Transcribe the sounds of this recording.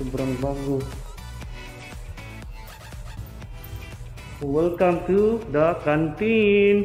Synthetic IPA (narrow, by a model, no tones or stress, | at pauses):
əbɾaŋbaŋɡu | uwəlkaŋt̪udakant̪in